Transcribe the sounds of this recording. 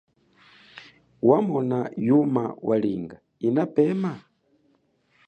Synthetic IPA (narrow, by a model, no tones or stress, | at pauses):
wamɔnajuma̰waliŋɡa | inapɛma